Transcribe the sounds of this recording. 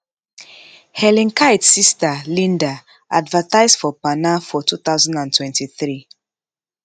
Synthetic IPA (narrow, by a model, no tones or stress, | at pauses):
hɛlĩŋkaɪtsistalĩnda | ʔadvətaɪzdfɔpanafɔtʰuθaʊzãndãntʰwɛ̃ntiθɹi